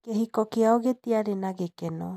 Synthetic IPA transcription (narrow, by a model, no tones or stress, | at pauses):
keɦikɔkeaoɣet̪iaɾenaɣekɛnɔ